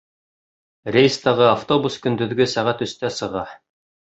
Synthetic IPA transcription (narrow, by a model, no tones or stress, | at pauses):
ɾʲejst̪ɑʁɤaft̪obuskɵ̆nd̪ɵ̆ðɡɵsæʁæt̪ɵ̆st̪æsɤ̆ʁɑ